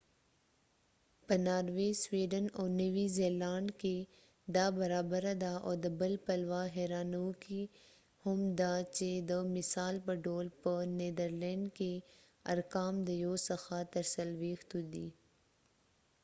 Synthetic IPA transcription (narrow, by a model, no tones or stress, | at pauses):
pɐnaːɾʋeːswiːɖənɔːɾnɐʋizeːlaːɳke | d̪aːbɐɾaːbəɾad̪aʔɔːd̪əbəlpɐlwaːɦeːɾaːnuki | hʊmd̪at͡ʃed̪əmɪsaːlpɐɖoːlpəneːd̪əɾlẽːɳɖke | ɐ̰ɾkaːmd̪əjoːsɐxat̪ɐɾsəlʋeːxt̪ud̪iː